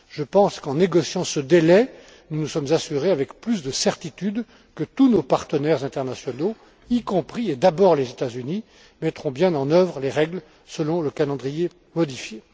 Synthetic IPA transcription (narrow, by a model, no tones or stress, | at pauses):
ʒəpɑ̃skɑ̃neɡɔsjɑ̃səd̪elɛ | nunusɔmzasyʁeavɛkplys̬d̪əsɛʁt̪it̪yd̪ | kət̪unopaʁt̪ənɛʁzɛ̃t̪ɛʁnasjɔno | ikɔ̃pχied̪abɔʁlezet̪azyni | mɛt̪χɔ̃bjɛ̃nɑ̃nœvʁəleʁɛɡl | səlɔ̃ləkalɑ̃d̪ʁije | mɔd̪ifje